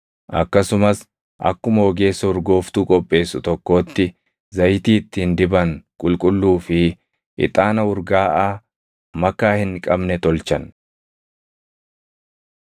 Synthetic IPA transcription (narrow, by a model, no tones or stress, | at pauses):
ʔɐ̰kːɐsʊmɐs | ʔɐ̰kːʊmɐɔɡe̞ːsːɐʊɾɡo̞ːft̪uːkʼɔpʼːe̞ːsːʊt̪ɔkːo̞ːt̪ːɪ | zɐjt̪iːt̪ːiːnd̪ɪbɐŋkʼʊlkʼʊlːuːfɪ | ʔɪ̰t̪ʼaːnɐʊɾɡaːʔaː | mɐkːaːhɪnkʼɐbnɛt̪ɔlt͡ʃɐn